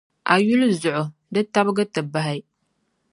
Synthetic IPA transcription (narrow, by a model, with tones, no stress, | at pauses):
ʔa˨ju˦lzʊ˨ʕʊ˨ | dɨ˦tːa˦bɡɐ˦tːɐ˨ba˨ɦa˨j